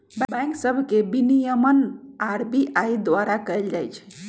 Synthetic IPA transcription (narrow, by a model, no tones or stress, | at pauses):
bbɛ̃ŋksəbʱkebinijəmənaɾbiʔaid̪waɾakəeld͡ʒajt͡ʃʰɛ̥